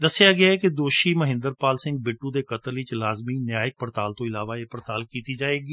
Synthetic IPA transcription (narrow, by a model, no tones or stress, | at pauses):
d̪əsːɪjaːɡɪaːɛked̪oːʃiːməɦɪ̃nd̪əɾpaːlsɪ̃ŋɡ̚bɪʈːũd̪eːkət̪əlit͡ʃlaːzmiːnjaːjɪk̚pəɾt̪aːlt̪õːɪlaːʋaːeːpəɾt̪aːlkiːt̪iːd͡ʒaːeːɡiː